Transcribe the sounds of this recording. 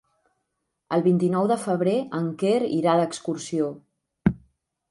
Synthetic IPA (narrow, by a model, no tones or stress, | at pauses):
əlˠβint̪inɔwðəfəβ̞ɾeəŋkeɾḭɾaðəkskursio